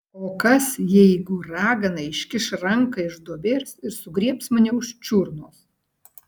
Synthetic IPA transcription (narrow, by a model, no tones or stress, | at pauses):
oːkɐsjɛɪɡʊɾɑːɡɐnɐɪʃʲkʲɪʃɾɐŋkɐɪʒd̪uɔbʲeːɾʲsɪɾsʊɡɾʲiɛpsmɐnʲɛʊʃt͡ʃʲuɾnoːs